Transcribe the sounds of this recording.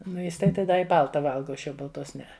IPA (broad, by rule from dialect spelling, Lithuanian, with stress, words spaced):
ˈnʊ ˈjɪs tɐɪ ˈdɐ ɪ ˈbɐlˠtɐ ˈʋɐlˠɡɐ oː ˈɐʃ jɛʊ bɐlˠˈtoːs ˈnʲɛɛ